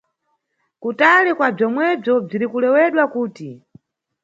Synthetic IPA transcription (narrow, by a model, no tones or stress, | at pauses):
kutalikwab͡ʐɔmwɛb͡ʐɔb͡ʐiɾikulɛwɛɗwakuːti